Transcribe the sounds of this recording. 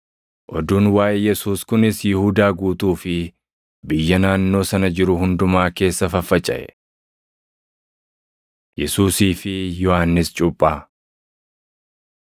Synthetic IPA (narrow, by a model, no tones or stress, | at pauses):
ʔɔd̪uːnwaːʔɛjɛsuːskʊnɪsjɪhuːd̪aːɡuːt̪uːfɪ | bɪjːɐnaːnːo̞ːsɐnɐd͡ʒɪɾʊɦʊnd̪ʊmaːke̞ːsːɐfɐfːɐt͡ʃʼːɐ̰ʔɛ | jɛsuːsiːfɪjɔhaːnːɪst͡ʃʼʊpʼːaː